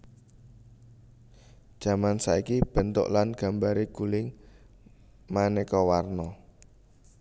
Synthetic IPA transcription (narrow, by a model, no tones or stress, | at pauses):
d̥ʒ̥a̤mansaikib̥ə̤nt̪ʊ̰ʔlanɡ̥a̤mbaɾiɡ̥ulɪŋ | manekɔwarnɔ